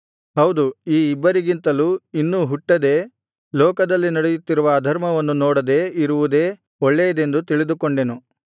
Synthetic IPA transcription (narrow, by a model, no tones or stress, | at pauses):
ɦɐwd̪uiːibːɐɾiɡint̪ɐluinːuːɦuʈːɐd̪e̞ː | lɔːkɐd̪ɐlːinɐɽejut̪ːiɾuʋɐːd̪ʱɐɾmɐʋɐnːunɔːɽɐd̪e̞ːiɾuʋud̪e̞ː | ɔɭːɛjɐd̪e̞nd̪ut̪iɭid̪ukoɳɖe̞nu